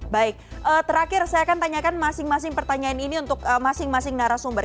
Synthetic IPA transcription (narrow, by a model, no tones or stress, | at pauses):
baɪk̚ʔəːt̪əɾakɪrsajaːkant̪aɲakanmasɪŋmas̬ɪŋpərt̪aɲaniniunt̪ʊkəmasɪŋmasɪŋnaɾasumbər